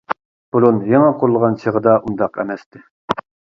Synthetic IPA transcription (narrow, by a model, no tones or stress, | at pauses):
b̥ulˠunjɑŋɑqʰoɾlˠʁɑnt͡ʃʰəʁəd̪ɑʔund̪ɑqɛ̰mɛst̪ɪ